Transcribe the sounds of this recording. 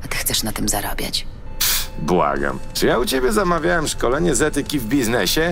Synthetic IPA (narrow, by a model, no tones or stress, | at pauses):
at̪ɘ̥xt̪sɛʂnat̪ɘmzaɾɔbʲja̰t͡ɕ | bwa̰ɡa̰mt͡ʂɨjaut͡ɕebʲjɛzamavʲjawɛmʂkɔlɛɲɛzɛt̪ɘkʲivbʲiznɛɕɛ